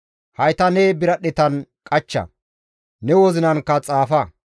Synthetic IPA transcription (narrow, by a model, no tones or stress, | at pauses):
hɐjt̪ɐnebɪɾɐɗɛt̪ɐnkʼɐt͡ʃːɐ̰ | nɛwɔzɪnɐŋkːɐt͡sʼaːfɐ